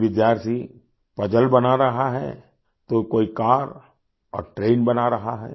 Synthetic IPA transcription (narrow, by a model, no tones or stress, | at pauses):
ʋɪd̪jaːɾt̪ʰi | pɐd͡ʒəlbɐnaɾɐɦaɦɛ̰ː | t̪okoːikaːɾ | ɔ̰ːɾʈɾeːnbɐnaɾɐɦaɦɛ̰ː